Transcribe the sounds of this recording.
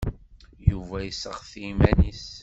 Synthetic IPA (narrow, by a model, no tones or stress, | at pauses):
juvæjəsəʁθimænis